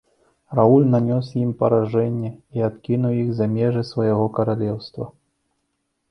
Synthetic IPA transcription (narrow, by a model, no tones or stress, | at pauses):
raulʲnanʲɔsjimpɐɾaʐɛnʲːɛiat̪kʲinuwjixzɐmʲɛʐɨsvɐjaɣɔkɐɾalʲɛwst̪vɐ̰